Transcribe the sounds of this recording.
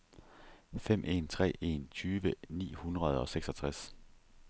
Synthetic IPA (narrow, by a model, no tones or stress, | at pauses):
fem̰ʔe̝̰ːnt͡sʰʁɛ̰ːe̝̰nt͡sʰyːʋənḭːhunʁɐð̞ˠɒ̽seɡ̥sɒ̽t͡sʰʁas